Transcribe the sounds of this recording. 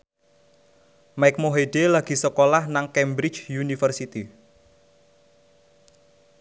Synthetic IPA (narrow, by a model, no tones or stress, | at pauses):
majk̚moɦeɖelaɡ̥i̤səkolahnaŋkɛmbɾi̥t͡ʃjunifərsit̪i